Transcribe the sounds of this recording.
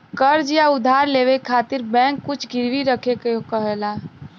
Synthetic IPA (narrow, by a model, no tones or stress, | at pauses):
kəɾd͡ʒjaʊd̪ʱaːɾleːʋekʰaːt̪ɪɾbɛ̃ːŋkːʊt͡ʃʰɡɪɾʋiɾəkʰekeokəɦeːlaː